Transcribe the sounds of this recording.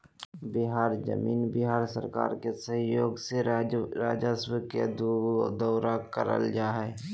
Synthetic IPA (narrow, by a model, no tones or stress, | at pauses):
bɪɦaːɾd͡ʒə̰miːnbɪɦaːɾsə̰ɾka̰ːɾkesəɦjoːɡseɾaːd͡ʒəsbkedd̪əːɾakəɾə̰ld͡ʒaːɦɛː